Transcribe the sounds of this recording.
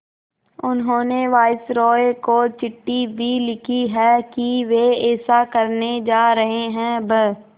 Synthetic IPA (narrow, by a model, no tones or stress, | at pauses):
ʊnɦõːneʋaːɪsɾɔːekot͡ʃɪʈːibʱilɪkʰiɦɛːkiʋeɛːsakɐɾned͡ʒaːɾɐɦeɦɛ̃bə